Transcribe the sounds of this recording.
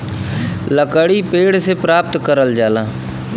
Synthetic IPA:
ləkəɽipeːɽsepɾaːp̚t̪kəɾəld͡ʒaːlaː

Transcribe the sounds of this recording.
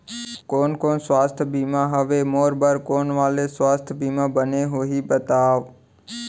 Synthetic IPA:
koːnkoːnswaːst̪ʰbiːmãɦəʋemoːɾbəɾkoːnʋaːleswaːst̪ʰbiːmãbəneɦoɦiːbət̪aːʋ

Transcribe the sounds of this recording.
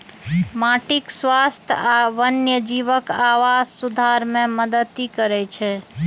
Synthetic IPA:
maʈikswast̪ʰaʋənjəd͡ʒiʋəkaʋazsud̪ʱaɾmeməd̪ət̪ːikəɾɛt͡ʃʰɛ

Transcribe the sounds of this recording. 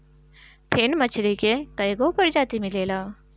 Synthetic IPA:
pʰeːnmɐt͡ʃʰɾikekɐjɡopɐɾd͡ʒaːt̪imɪleːlaː

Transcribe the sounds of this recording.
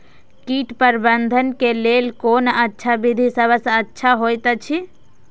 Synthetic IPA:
kiʈpəɾbənd̪ʱənkelelkonətːʃʰabid̪ʱisəbʱəsə̃ətːʃʰaɦojt̪ət͡ʃʰi

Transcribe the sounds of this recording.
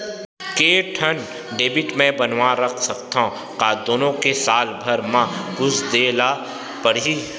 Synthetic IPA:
keːʈʰən | ɖeːbɪʈmẽbənwaɾəkʰsəkt̪aõ | qaːd̪oːnõkesaːlbʱəɾmãbʊsd̪eːla | pəɽi

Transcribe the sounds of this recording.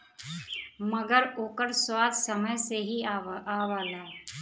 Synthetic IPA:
mɐɡəɾoːkəɾswaːd̪sɐməjseɦiaːʋaːlaː

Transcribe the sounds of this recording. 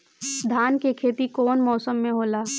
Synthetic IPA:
d̪ʱaːnkekʰeːt̪ikoːnmɔːsəmːẽɦoːlaː

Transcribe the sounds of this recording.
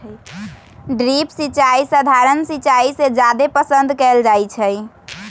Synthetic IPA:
ɖɾipsit͡ʃaisəd̪ʱaɾənsit͡ʃaised͡ʒad̪epəsə̃nd̪ʱkɛld͡ʒajt͡ʃʰɛj

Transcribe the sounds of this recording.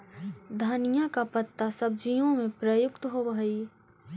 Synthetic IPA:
d̪ʱanijakapət̪ːasɐb̚d͡ʒijõmẽpɾɐjʊkt̪ɦobʱi

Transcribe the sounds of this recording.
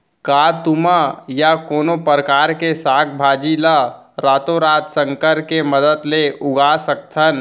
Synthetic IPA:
kaːt̪ʊmajakoːnopəɾəkaːɾkesaːk̚ʰbʱaːd͡ʒiləɾaːt̪oɾaːt̪sə̃ŋkəɾkeməd̪ət̪leʔʊɡasək̚t̪ʰən

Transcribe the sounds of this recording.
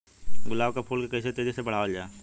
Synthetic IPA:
ɡʊlaːbkapʰuːlkekəːset̪eːd͡ʒesebɐɽ̤aːʋəld͡ʒaːe

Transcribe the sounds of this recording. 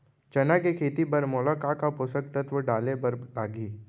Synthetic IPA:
t͡ʃɐnakekʰeːt̪ibɐɾmoːlakakapʊsək̚t̪ət̪ʋəɖaːlebɐɾlaːɡiː

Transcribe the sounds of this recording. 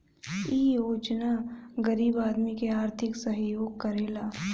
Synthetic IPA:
iːjoːd͡ʒnaɡɐɾiːbaːd̪mikeaːɾt̪ʰɪksɐɦjoːɡ̚kɐɾeːlaː

